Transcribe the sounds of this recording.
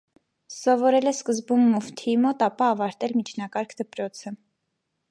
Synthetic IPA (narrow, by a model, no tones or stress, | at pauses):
sɔvɔɾɛlɛskəzbumːɔft̪ʰimɔt̪ɑpɑːvɑɾt̪ɛlmit͡ʃʰnɑkɑɾkʰd̪əpɾɔt͡sʰə